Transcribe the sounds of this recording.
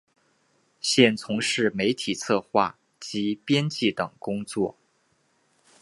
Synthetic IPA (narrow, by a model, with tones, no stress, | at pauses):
ɕjɛ˥˩nt͡sʰʊ˧˥ŋʂɻ̩˥˩me˧˥ɪt̪ʰi˨˩t͡sʰɤ˥˧xwa˥˩ | t͡ɕi˧˥pjɛ˥nt͡ɕi˥˩t̪ɤ˨˩ŋkʊ˥ŋt͡swɔ̰˥˩